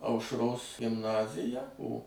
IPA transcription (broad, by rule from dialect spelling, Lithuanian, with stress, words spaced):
ɐʊʃˈroːs ɡʲɪmˈnɑːzʲɪjɛ oː